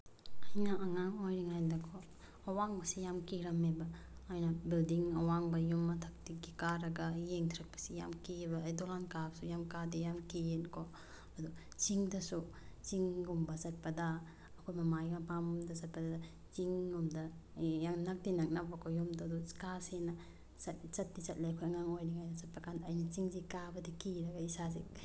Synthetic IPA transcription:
ɐjnaʔɐŋaŋojɾiŋajndɐkʰo | ɐwaŋbɐsijamkiɾɐmebɐojnɐbildiŋɐwaŋbɐjumːɐtʰɐk̚tiɡikaɾɐɡɐjeŋtʰiɾɐk̚pɐ̥sijamkiebɐːjdolankabsujamkadijamkienkʰo | ɐdu | t͡ʃiŋdɐsu | t͡ʃiŋɡumbɐsɐt̚pɐdaː | kʰojmɐmajŋapamdɐsɐt̚pɐda | t͡ʃiŋːumdɐjaŋnak̚dinak̚nabɐkʰɔjumdadu̥kasena | sɐt̚t͡ʃɐt̚dit͡ʃɐt̚lajɐkʰojɐŋaŋojniŋajnɐsɐt̚pɐkandɐːjnɐt͡ʃiŋzikabɐdikiɾɐɡaisasi

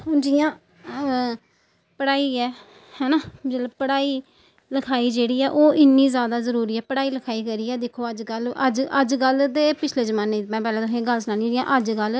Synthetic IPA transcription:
hʊnd͡ʒiːãː | pəɽaːiːɛː | hɛːnãːd͡ʒət̪ləbpəɽaːiː | ləkʰaːiːd͡ʒeːɽiːɛːʔoːʔɪnːiːzjaːd̪aːzəɾuːɾiːɛːpəɽaːiːləkʰaːiːkəɾiːɛːd̪eːkʰoːəd͡ʒɡələd͡ʒəd͡ʒɡəld̪eːpɪt͡ʃʰleːzəmaːneːmɛ̃ːpɛːlẽːt̪õːkeːɡəlsʊnaːlid͡ʒɪ̃jãːʔəd͡ʒɡəl

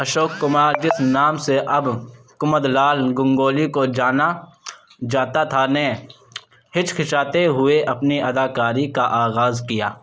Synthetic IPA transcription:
ɐʃoːkːʊmaːɾd͡ʒɪsnaːmseʔɐb | kʊməd̪laːlɡʊ̃ŋɡoːlikod͡ʒaːna | d͡ʒaːt̪at̪ʰane | hɪt͡ʃkʰɪʃaːt̪eɦʊeʔɐpniɐd̪aːkaːɾikaʔaːɣaːzkijaː

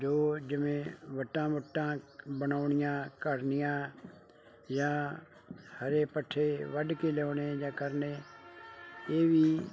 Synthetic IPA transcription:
d͡ʒoːd͡ʒɪmẽʋəʈːãːʋəʈːãbənaːɳɪjãːkəɾnɪjãː | jãː | həɾepəʈʰːeʋəɖkelɛoːneːjãːkəɾne | jeːbiː

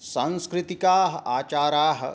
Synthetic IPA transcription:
sãnskɾit̪ikaːɦɐ̆aːt͡ʃaːɾaːɦə̰

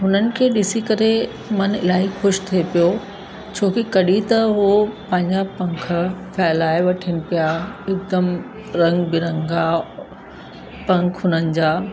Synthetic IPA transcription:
ɦʊnənɪ̆kʰeːɗɪsikɐɾe | mɐnɪ̰laːɦixʊʃt̪ʰiepijo | t͡ɕʰoːkikɐɗit̪ɐɦopɐ̃ɦɪ̃ɲd͡ʑapɐ̃ŋk̆ʰfʰɛːlaːɪʋɐʈʰɪnɪ̆pijaɪk̚d̪əm | ɾɐ̃ŋɡbɪɾɐ̃ŋɡa | pɐ̃ŋkʰɦʊnənɪ̆d͡ʑaː

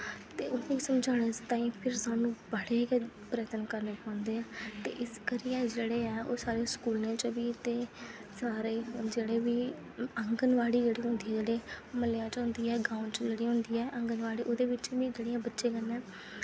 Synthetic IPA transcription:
t̪eːʊnẽːkisəmd͡ʒaːɽ̃et͡ʃt̪ãːĩːpʰɪɾsaːnũːbəɽeːkɛ | pɾəːt̪ənkəɾneːpãːʊ̃nd̪eːɛːt̪ḛːʔɪskəɾijãːd͡ʒeːɽeːɛːoːsaːɾeːskuːlnẽːt͡ʃʋiːt̪eː | saːɾeːd͡ʒeːɽeːʋiː | əŋɡənʋaːɽiːd͡ʒeːɽiːɦʊ̃nd̪iːɛːd͡ʒeːɽeːməljãːt͡ʃɦʊ̃nd̪iːɛːɡaːʊnʈt͡ʃd͡ʒeːɽiːɦʊ̃nd̪iːɛːʔəŋɡənʋaːɽiːʔoːd̪eːʋɪt͡ʃʋiːd͡ʒeːɽijãːbətːʃẽːkənːɛ̃ː

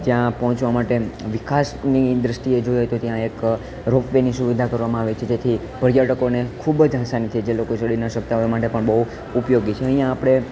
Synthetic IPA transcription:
d͡ʒjãpɔɦɔ̃t͡ʃʋamaʈeʋikasnid̪ɾəsʈied͡ʒoiojt̪ot̪jãek | ɾofʋenisuʋid̪ʱakəɾʋamãaʋet͡ʃʰed͡ʒet̪ʰi | pəɾjaʈəkonekʰubd͡ʒɦasanit̪ʰid͡ʒelokot͡ʃəɽinaʃək̚t̪aemaʈepəɳbəɦu | upjoɡit͡ʃʰeə̃ɦĩjãːpɽ̃e

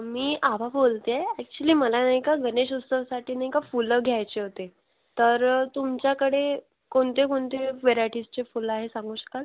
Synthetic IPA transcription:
miːʔabʱabolt̪eeɛk̚t͡ɕuəliːməlanajkaɡəneɕust̪əʋsaʈʰiːnajkafuləɡʱjajt͡ɕeɦot̪e | t̪əɾt̪umt͡ɕjakəɽe | koɳt̪ekoɳt̪eʋeɾaʈist͡ɕefulaɦesãŋɡʱũːɕə̥kal

